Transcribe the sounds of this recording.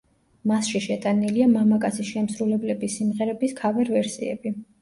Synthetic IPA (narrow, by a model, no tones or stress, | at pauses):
masʃiʃɛt̪ʼaniliamamakʼat̪sʰisʃɛmsɾulɛblɛbisimʁɛɾɛbiskʰavɛɾvɛɾsiɛ̰bi